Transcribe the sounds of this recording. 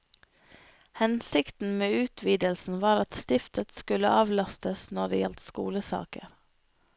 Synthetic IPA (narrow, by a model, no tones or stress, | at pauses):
hɛnsɪkt̪n̩meːʉːt̪ʰʋiːd̪əlsn̩ʋɑːɾɑt̪st̪ɪft̪ət̪skʉlə̰ʔɑːʋlɑst̪əsnɔdɖ̪ḛːjɛlt̪skṵːləsɑ̰ːkə̰ɾ